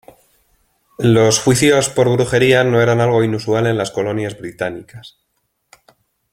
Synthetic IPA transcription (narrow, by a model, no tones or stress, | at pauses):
lo̞sxwiθjo̞spo̞ɾɣ̞ɾuxe̞ɾiano̞e̞ɾanalɣ̞o̞inusuale̞nlasko̞lo̞njazβɾit̪anikas